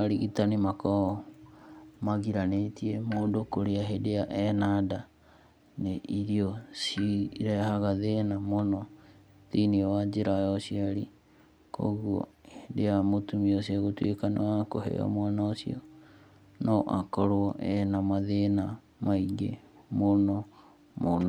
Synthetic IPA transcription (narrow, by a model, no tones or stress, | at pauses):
ɾiɣitanimakɔ | maɣiɾanetiemoːndokoɾeaɦedeaʔɛnada | neʔiɾiosiɾɛhaɣaðenamonɔ | ðiniɔwad͡ʒeɾajɔsiaɾi | ko̰ɣuɔ̰hedeamotumiosaɣotwekanowakohḛɔ̰mwanaosḭɔ̰ | nɔʔakɔɾoɔʔɛnamaðena | maiɡe | monɔ | mono